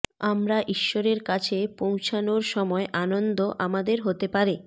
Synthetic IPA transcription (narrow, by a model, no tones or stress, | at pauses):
amɾaʔiʃːoɾeɾkat͡ɕʰepow̃t͡ɕʰanoɾʃɔmɔeʔanond̪oʔamad̪eɾɦot̪epaɾi